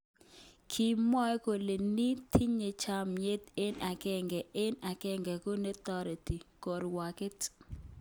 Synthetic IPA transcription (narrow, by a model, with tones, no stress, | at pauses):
kʰi˨mɔ˦ko˨le˨ni˦t̪ʰi˦ɲe˨t͡ʃa˦mje˦t̪e˦na˨kɛ˦ŋɡɛ˨ʔɪ˦na˨kɛ˦ŋɡɛ˨ko˦ne˦t̪ɔ˦ɾi˨ti˨ko˨ɾwa˨kɛ˦t